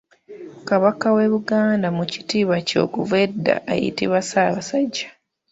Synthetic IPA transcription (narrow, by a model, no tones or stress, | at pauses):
kaβakawe̞βuɡaːndamuci̥tiːβaco̞̰ːkuvedːa̰ʔːjḭtiβasaːβasaɟːa